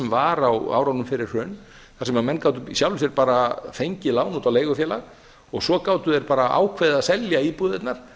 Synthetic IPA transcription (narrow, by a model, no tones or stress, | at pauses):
mvaɾawa̰ːwɾawnʏmfɪɾɪr̥r̥œːn | θaɾsɛmamɛnːkawt̪ʏisjawlʏsjɛɾpaːɾafejɲcɪlaːwnuːt̪awleːjɣʏfjɛːlaɣ | ɔɣsɔkaːwt̪ʏɛɾpaːɾaʔa̰ːwkʰveːðaðsɛljaipuðɪt̪naɾ̥